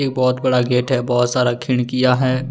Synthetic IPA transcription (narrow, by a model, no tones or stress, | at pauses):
eːk̚bɔːt̪bɐɽaɡeːʈɦɛbɔːt̪saːɾakʰɪɽ̃kijaɦɛː